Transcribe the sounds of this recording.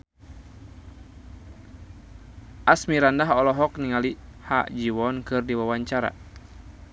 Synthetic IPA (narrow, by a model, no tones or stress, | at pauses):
ʔasmiɾandaɦɔlɔɦɔk̚niŋaliha̰ʔd͡ʒiwɔnkɨrdiwawaɲt͡ʃaɾa̰